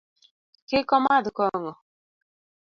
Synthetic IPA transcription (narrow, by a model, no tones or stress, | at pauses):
kɪkɔmadʊkɔŋɔ